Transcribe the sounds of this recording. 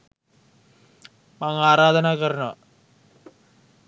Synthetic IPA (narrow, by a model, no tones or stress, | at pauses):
maŋaːɾaːd̪ɐnaːkɐɾɐnɐʋɐ̰